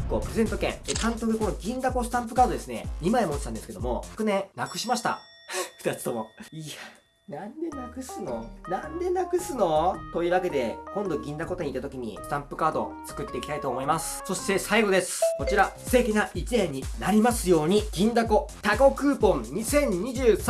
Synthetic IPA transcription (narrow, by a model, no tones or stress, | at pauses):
kopɯ̟ɾeze̞nt̪o̞kẽ̞̰ŋek̪ãnt̪okɯko̞no̞ɡʲĩnd̪ako̞sɨ̥t̪ãmp̬ɯ̟kaːd̪o̞d̪e̞sɨne̞̰ɲ̟imaemot͡ɕʲi̥t̪ãnd̪sɨ̥ked̪omo̞ɸɯ̥kɯ̟nẽnakɯ̟ɕimaɕi̥t̪a̰ | ɸɯ̥t̪at͡sɨ̥t̪o̞mo̞ia | nãnd̪e̞nakɯ̟sɨno̞nãnd̪e̞nakɯ̟sɨno̞t̪o̞iːβake̞d̪e̞kõ̞nd̪o̞ɡʲĩnd̪ako̞t̪eɲ̟it̪at̪o̞kʲiɲ̟ḭsɨ̥t̪ãmpɯ̟kaːd̪o̞̰t͡sɨ̥kɯ̟t̪ːe̞ikʲit̪ait̪o̞ːmo̞imasɨ̥so̞ɕt̪e̞saiɡo̞d̪e̞sɨ̥ko̞t͡ɕiɾase̞ːkʲinaʔit͡ɕinẽɲ̟ːinaɾʲimasɨjo̞ːɲ̟iɡ̥ʲĩnd̪ako̞t̪aɡo̞kɯ̟ːpõ̞ŋɲisẽ̞ɲ̟ɲiʑɨːs